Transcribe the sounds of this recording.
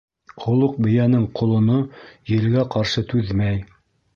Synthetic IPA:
qŏlˠoq̚bɘ̆jænɘɴqʰŏlˠŏnojɘ̆lɡæqɑɾʃɤt̪ʉðmæj

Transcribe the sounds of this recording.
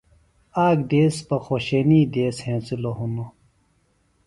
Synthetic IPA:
aːɡd̪eːspɐxoɕeːniːd̪eːshẽːsiloɦuno

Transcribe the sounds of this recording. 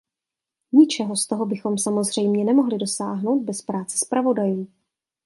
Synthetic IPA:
ɲɪt͡ʃɛɦo̞st̪o̞ɦo̞bɪxo̞msamo̞zr̝ɛjmɲɛnɛmo̞ɦlɪdo̞saːɦno̞wd̪̚bɛspɾaːt͡sɛ̥spɾavo̞dajuː

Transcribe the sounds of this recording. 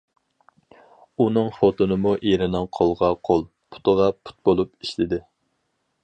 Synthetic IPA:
unɨŋfot̪onɨmuʔeɾɪnɨŋqʰolˠʁɑqʰolˠ | pʰu̥t̪əʁɑpʰu̥t̪̚bolˠupiʃlɪd̪ɪ

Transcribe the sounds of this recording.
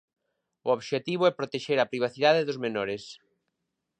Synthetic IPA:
ʊoβʃet̪iβʊɛpɾot̪eʃeɾɐpɾiβ̞aθiðaðeðʊzmenɔɾɪs

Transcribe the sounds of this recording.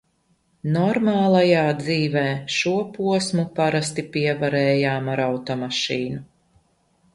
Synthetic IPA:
nɔɾmaːlˠajaːd̪ziːvɛːʃuɔpuɔsmupaɾast̪ipiɛvaɾɛːjaːmaɾawt̪ɔmaʃiːnu

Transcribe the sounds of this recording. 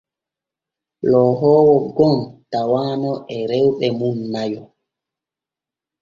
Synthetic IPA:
lɔːɦɔːwɔɡɔmtawaːnɔʔɛɾɛwɓɛmunːajɔ

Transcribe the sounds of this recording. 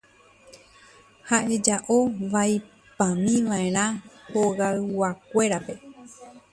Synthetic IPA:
haʔe̞d͡ʒaʔoʋaj | pãmĩʋãẽɾ̃ãhoɣawakʷe̞ɾape̞

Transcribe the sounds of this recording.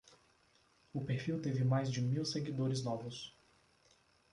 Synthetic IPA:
ʊpeɾfiwt̪evɪmajzd͡ʒɪmiwseɡid̪oɾɪznɔvʊs

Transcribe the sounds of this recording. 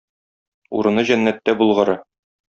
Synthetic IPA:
ṵɾɤ̆nɤʑænːæt̪ːæbulˠʁɤ̆ɾɤ

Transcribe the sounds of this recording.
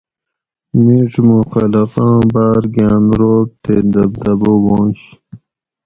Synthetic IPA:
miʈ͡ʂmuxɐlɐqɑ̃ːbaːɾɡaːnɾoːb̚t̪ed̪ɐbd̪ɐbowõːɕ

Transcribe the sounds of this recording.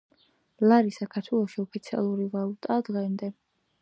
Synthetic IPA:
laɾisakʰaɾt̪ʰwɛlˠɔʃiɔpʰit̪sʰia̰lˠuɾivalˠut̪ʼad̪ʁɛmd̪ɛ

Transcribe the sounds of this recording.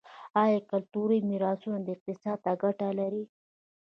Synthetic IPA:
ɑjɑkalt̪uɾəjmiɾɑsunad̪əɪq̚t̪ɪsɑd̪̚t̪aɡaʈalaɾi

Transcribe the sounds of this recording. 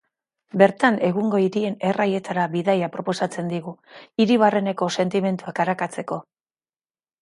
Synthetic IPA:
be̞ɾt̪ane̞ɣuŋɡo̞iɾie̞ne̞raje̞t̪aɾaβiðajapɾo̞po̞sat͡se̞nd̪iɣuiɾiβ̞are̞ne̞ko̞se̞nt̪ime̞nt̪uakaɾakat͡se̞ko̞

